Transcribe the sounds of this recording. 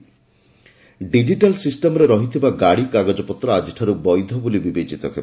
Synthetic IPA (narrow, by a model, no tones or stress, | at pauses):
ɖid͡ʒiʈalsisʈemɔɾeɾɔɦit̪ʰibaɡaɽikaɡɔd͡ʒɔpɔt̪ːɾɔad͡ʒiʈʰaɾubɔjd̪ʱɔbulibibet͡ʃit̪ɔkʰeb